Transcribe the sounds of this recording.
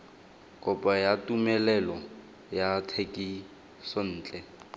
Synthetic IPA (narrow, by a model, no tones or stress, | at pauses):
kʼɔpʼajatʼumɛlɛlɔ | jatʰekʼi | son̩ːt͡ɬʼɛ